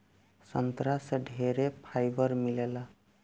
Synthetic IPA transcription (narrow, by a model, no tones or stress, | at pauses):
sʌnt̪ɾaseɖʱeɾepʰajbʌɾmilela